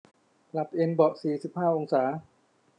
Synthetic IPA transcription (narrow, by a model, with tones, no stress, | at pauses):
la˨˩p̚ʔe˧nbɔ˨˩siː˨˩si˨˩p̚haː˥˩ʔo˧ŋsaː˩˦